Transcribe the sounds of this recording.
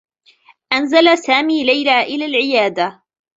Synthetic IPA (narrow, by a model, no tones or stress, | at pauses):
ʔanzalasaːmiːlajlaːʔɪlaːlʕɪjaːd̪a